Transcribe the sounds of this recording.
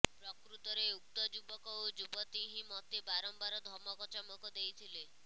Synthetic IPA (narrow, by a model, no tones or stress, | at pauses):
pɾɔkɾut̪ɔɾeuk̚t̪ɔd͡ʒubɔkɔwd͡ʒubɔt̪iɦĩmɔt̪ibaɾɔmbaɾɔd̪ʱɔmɔkɔt͡ʃamɔkɔd̪ejt̪ʰile